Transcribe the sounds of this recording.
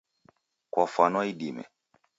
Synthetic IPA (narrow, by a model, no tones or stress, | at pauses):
kwafanɔiɗimɛ̰